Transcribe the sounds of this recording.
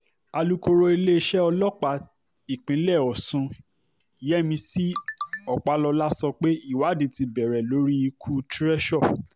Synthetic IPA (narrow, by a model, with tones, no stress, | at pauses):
a˧lu˦ko˧ɾo˧i˧le˦˧ʃɛ˦ɔ˧lɔ˦k͡pa˨˧ | i˨k͡pĩ˨˦lɛ˦˨ɔ˨sũ˧ | i˨jɛ˦˨mĩ˧si˦ɔ˨k͡pa˧lɔ˧la˦sɔ˧k͡pe˦i˦˨wa˨˦de˨˧ti˧bɛ˨ɾɛ˨lo˨˦ɾi˦i˧kʰu˦tɾɛ˦ʃɔ˦˨